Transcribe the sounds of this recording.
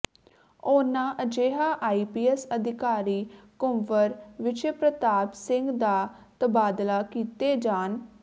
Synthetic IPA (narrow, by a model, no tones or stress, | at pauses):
oːnãːʔəd͡ʒeːɦaːʔaːiːpiːɛsəd̪ɪkaːɾiːkʊmʋəɾʋɪʃəpɾət̪aːpsɪŋɡd̪aː | t̪əbaːd̪laːkiːt̪eːd͡ʒaːn